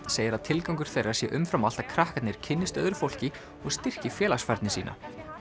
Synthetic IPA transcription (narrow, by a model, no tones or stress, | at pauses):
seːjɪɾaðt̪ʰɪlkawŋkʏɾ̥θejrːaɾ̥sjɛʔʏmfɾamalt̪akʰɾahkat̪nɪɾ̥cʰɪnːɪst̪œ̰ðɾʏfowl̥cɪ | ɔɣst̪ɪr̥cɪfjɛːlasfaɾt̪nɪsḭːnʔa̰